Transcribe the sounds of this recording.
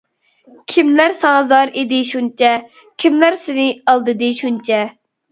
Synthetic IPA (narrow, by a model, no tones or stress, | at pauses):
kʲʰimlæɾsɑzɑɾed̪ɪʃunt͡ʃʰɛ | kʲʰimlæɾsɪnɪɑlˠd̪ɨd̪ɨʃunt͡ʃʰɛ